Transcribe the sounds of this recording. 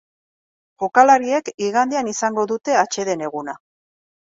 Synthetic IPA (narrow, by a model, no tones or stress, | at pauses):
ʝokalaɾie̞kiɣand̪eanisaŋɡo̞ðut̪e̞at͡ʃe̞ðe̞ne̞ɣ̞una